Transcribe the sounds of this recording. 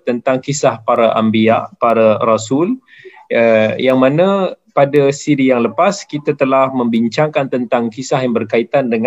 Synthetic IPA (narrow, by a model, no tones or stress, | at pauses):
t̪ənt̪aŋkisahpaɾaʔambiaʔpaɾarasul | əjaŋmãnã | padasiɾijaŋləpaskit̪at̪əlahmə̃mbiɲt͡ʃaŋkant̪ənt̪aŋkisahjaŋbərkait̪andəŋ